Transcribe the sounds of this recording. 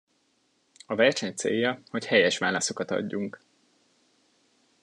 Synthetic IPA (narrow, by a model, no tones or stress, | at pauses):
ɒvɛrʃɛɲt̪sḛːjːɒho̞chɛjɛʃʋaːlɒso̞kɒt̪ɒ̰ɟːuŋk